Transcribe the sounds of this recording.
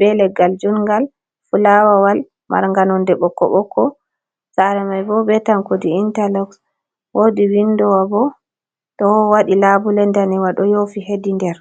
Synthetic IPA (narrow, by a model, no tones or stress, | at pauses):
bɛlɛɡald͡ʒunɡal | fulawawal | mʔa̰ɾŋɡanɔndɛɓɔkːɔ̰ɓɔkːɔ | saɾɛmajbɔbɛtankodiːntalɔks | wodiwinːdɔwabɔ | tɔwaɗilabulɛndaniwaɗɔjofiɦedindɛɾ